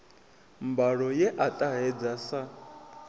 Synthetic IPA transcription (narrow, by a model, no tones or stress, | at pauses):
mbaɺɔjɛʔatʼaɦɛd͡zasa